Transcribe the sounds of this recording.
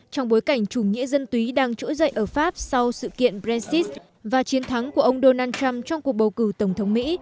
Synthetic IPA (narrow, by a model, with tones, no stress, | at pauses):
t͡ɕɔ˧wŋ͡mɓo˨˦jka˧˩jŋ̟t͡ɕu˧˩ŋḭ˧˥zə˧nt̪wi˨˦ɗaː˧ŋt͡ɕṵ˧˥zə̰˧˨jʔəː˧˩faː˦˥p̚sa˧wsɨ̰˧˨kḭ˧˨ənpzɛ˧nsi˦˥s̚ | vaː˨˩t͡ɕi˨˦ənt̪ʰa˨˦ŋku˧˩əʔə˧wŋ͡mɗo˧naː˧nt͡ɕa˧mt͡ɕɔ˧wŋ͡mku˨˩ək̚ɓə˨˩wkɨ˧˩t̪ə˧˩ŋ͡mt̪ʰə˨˦wŋ͡mmḭ˧˥